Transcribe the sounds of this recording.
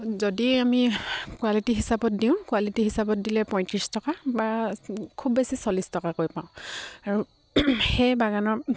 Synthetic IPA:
zodiamikwalitiɦisabɔt̚diʊ̃kuwalitiɦisabɔt̚dilɛpɔ̃j̃tɹistɔkabakʰubːesisɔlistɔkakojpãʊ̃aɹu | xɛjbaɡanɔ

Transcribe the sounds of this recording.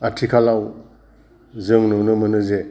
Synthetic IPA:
atʰikʰalaw | zɯŋnɔnɯmɯnɯze

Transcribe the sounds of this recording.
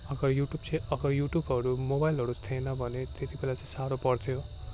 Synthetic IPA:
ʌɡʌɾjuʈjub̚t͡sʰʌj̃ʌɡʌɾjuʈjubɦʌɾumobajlɦʌɾut̪ʰenʌbʱʌnet̪et̪ibelat͡sʌĩsaɾopʌrt̪ʰjo

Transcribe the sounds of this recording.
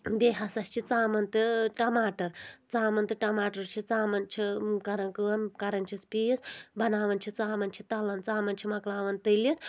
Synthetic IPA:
beːɦɐsɐsʲt͡ʃʰit͡saːmɐnt̪ɨʈɐmaːʈɐɾt͡saːmɐnt̪ɨʈɐmaːʈɐɾt͡ʃʰit͡saːmɐnt͡ʃʰikɐɾɐnkɨɐmkɐɾɐnʲt͡ʃʰispiːisbʱɐnaːʋɐnt͡ʃʰit͡saːmɐnt͡ʃʰit̪ɐlɐnt͡saːmɐnt͡ʃʰimɐklaːʋɐnt̪ɨlit̪ʰ

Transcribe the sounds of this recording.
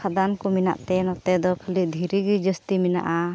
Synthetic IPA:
ad̪ankɔmina̰ʔt̪ɛnɔt̪ɛd̪ɔkʰəlid̪ʱiɾiɡid͡ʒəst̪imina̰ʔa

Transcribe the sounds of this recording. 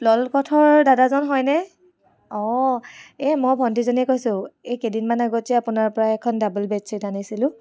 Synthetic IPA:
plɔlkɔtʰɔɹdadazɔnɦɔjnɛ | ɔ | ɛmɔjbʱɔntizonɛkojsʊ̃ejkedinmanaɡɔtɛapʊnaɹpɔɹaɛkʰɔndabəlbɛtsitanisilʊ̃

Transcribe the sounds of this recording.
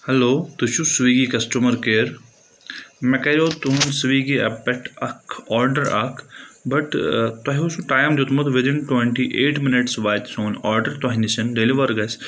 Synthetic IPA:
hɛloːt̪uʃʰusʋiɡikɐsʈumɐɾkeːɾ | mɛkɐɾoːt̪uɦunsʋiːɡiɐ̰pɛʈɐkʰɔːɾɖəɾɐkʰbɐʈt̪ɐɦiusuʈaːjmd͡ʒot̪mɐt̪ʋɪd̪ɪnʈwẽɳʈiʔeːʈmɪnɪʈsʋaːjt̪soːnɔːɾɖəɾt̪ɐɦinisɐnɖeliʋɐɾɡɐs

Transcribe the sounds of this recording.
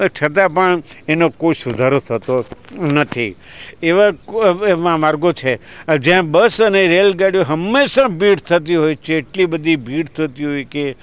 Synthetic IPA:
t͡ʃʰət̪ãpəɳenokojsʊd̪ʱaɾot̪ʰət̪onət̪ʰḭ | eʋaeʋãmaɾɡot͡ʃʰed͡ʒjãbəsəneɾelɡaɽijoɦəmːeʃãbʱiɽt̪ʰət̪̬iɦojt͡ʃʰeːʈlibəd̪ʱibʱiɽt̪ʰət̪iɦojke

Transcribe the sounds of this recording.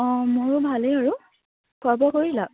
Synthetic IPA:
ɔ̃mʊɹʊbʱalejaɹu | kʰuabɔkoɹila

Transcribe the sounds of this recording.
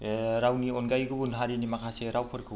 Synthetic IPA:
ɾawnionɡajɡɯbunɦaɾinimakʰaseɾawpʰɯɾkʰɯ

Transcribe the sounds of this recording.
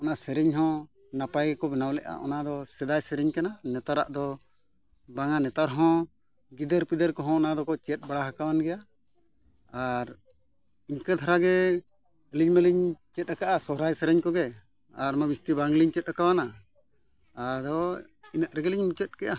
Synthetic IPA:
ɔnasɛɾɛɲɦɔ̃ | napajɡɛkɔbɛnawlɛʔa̰ʔɔnad̪ɔsɛd̪ajsɛɾɛɲkananɛt̪aɾa̰ʔd̪ɔ | baŋanɛt̪aɾɦɔ̃ | ɡid̪əɾpid̪əɾkɔɦɔ̃ɔnad̪ɔkɔt͡ʃɛt̪̚ˀbaɽaɦakawanɡɛja | aɾ | iɲkad̪ʰʱaɾaɡɛ | əliɲmɛliɲt͡ʃɛt̪̚ˀakaʔasɔɦɾajsɛɾɛɲkɔɡɛ | aɾmabist̪ibaŋliɲt͡ʃɛt̪̚ˀakawana | ɾd̪ɔ | inəʔɾɛɡɛliɲmit͡ʃɛt̪̚kɛʔa

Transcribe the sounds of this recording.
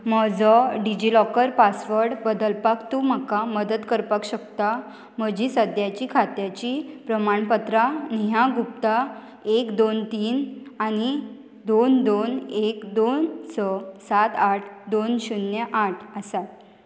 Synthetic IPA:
mɔd͡zɔɖid͡ʑilɔkəɾpasʋəɾɽbəd̪əlpakt̪um̤akaməd̪ət̪kəɾpakɕəkt̪a | m̤əd͡ʑisəd̪jat͡ɕikʰat̪jat͡ɕipɾəmaɳpət̪ɾaniɦjãɡup̚t̪a | ekd̪ont̪iːnañi | d̪ond̪onekd̪onsɔsat̪aʈʰd̪onɕunjəʔaʈʰəsat̪

